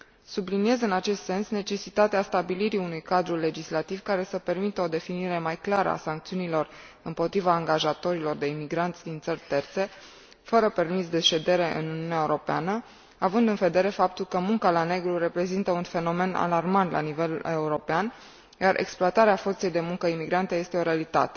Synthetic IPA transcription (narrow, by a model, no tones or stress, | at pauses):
sublinie̞zɨnat͡ʃe̞st̪se̞nsne̞t͡ʃe̞sit̪at̪east̪abiliɾiunujkad̪ɾule̞d͡ʒislat̪ivkaɾe̞səpe̞rmit̪əo̞d̪e̞finiɾe̞majklaɾə̰a̰saŋk̚t̪siunilo̞r | ɨmpo̞t̪ɾivaːŋɡaʒat̪o̞ɾilo̞rd̪e̞imiɡɾant̪sʲd̪int̪sərʲt̪e̞rt̪se̞ | fəɾəpe̞rmisd̪e̞ʃe̞d̪e̞ɾe̞ʔɨ̰nuniuneaeuɾo̞peanə | avɨnd̪ɨnve̞d̪e̞ɾe̞fap̚t̪ulkəmuŋkalane̞ɡɾuɾepɾe̞zint̪əunfe̞no̞me̞na̰larmant̪lʔa̰nive̞lue̞uɾo̞pean | jaɾʔe̞̰ksploat̪aɾeafo̞rt̪se̞jd̪e̞muŋkəimiɡɾant̪e̞je̞st̪e̞o̞ɾealit̪a̰t̪e̥